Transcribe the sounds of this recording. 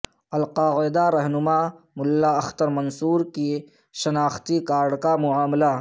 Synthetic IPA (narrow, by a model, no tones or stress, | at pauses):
ɐlqaːɣɪd̪aɾɐɦnʊma | mʊlːaɐxt̪əɾmɐnsuːɾki | ʃɐnaːxt̪ikaːɾɖkamʊaːmla